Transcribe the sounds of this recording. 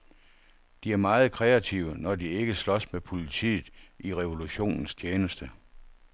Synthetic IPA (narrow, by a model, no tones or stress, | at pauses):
d̥iæɐmɑ̈ːð̞̩ˠkʰʁɛæt͡sʰiʊənɒd̥ie̝ɡ̥əslɒ̽smepʰo̝lit͡sʰḭːð̩ˠʔiʁɛʋo̝luɕo̝̰ːnn̩st͡ɕʰeːnəsd̥ə